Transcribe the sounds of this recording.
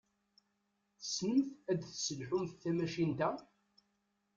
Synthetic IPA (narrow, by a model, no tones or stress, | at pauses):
θə̥snəmθæd̪θsəlħʊmθːæmæʃint̪æ